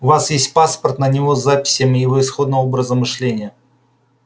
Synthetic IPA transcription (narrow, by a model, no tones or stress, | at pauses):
ʊvasjesʲtʲpaspərt̪nənʲɪvo̞zapʲɪ̥sʲjəmʲɪjɪvo̞ɪsxo̞d̪nəvobɾəzəmɨʂlʲenʲɪjə